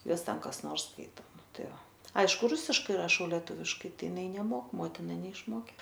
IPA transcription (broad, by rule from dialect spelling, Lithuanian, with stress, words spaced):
ˈjuɔs ˈtʲɛn kɐs ˈnoːrs ˈskɐɪtoː ˈtɐɪ ʋɐ ˈɐɪʃkʊ ˈrʊsʲɪʃkɐɪ rɐˈʃɐʊ lʲɛˈtʊʋʲɪʃkɐɪ ˈtɐɪ ɪˈnɐɪ nʲɛˈmoːk ˈmoːtʲɪnɐ nʲɛɪʃˈmoːkʲeː